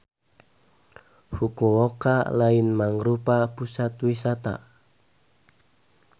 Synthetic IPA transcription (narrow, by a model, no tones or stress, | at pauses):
hukuwoka̰laɪnmaŋɾupapusat̪wisat̪a̰